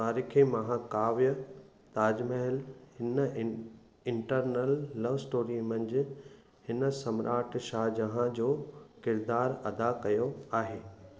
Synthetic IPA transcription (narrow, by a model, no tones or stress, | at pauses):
t̪aːɾiːkʰemɐɦãkaːʋjə | t̪aːd͡ʑmɐɦɪlhɪn | ɪ̃ɳʈəɾnəlːɐʋsʈoːɾimɐ̃ɲd͡ʑɪ | hɪnəsɐmɾʔaːʈʰʃaːɦd͡ʑɐɦãd͡ʑoːkɪɾd̪aːɾɐd̪akɐjoaːɦeː